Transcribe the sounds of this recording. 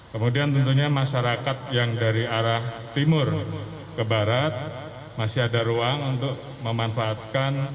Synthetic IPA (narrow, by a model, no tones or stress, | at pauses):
kəmudiant̪ənt̪̬uɲamaʃaɾakat̪̚jaŋdaɾiaɾah | t̪imʊr | kəbaɾat̪̚ | masɪɦadaɾuaŋunt̪ʊk̚ | məmanfaːt̪̚kan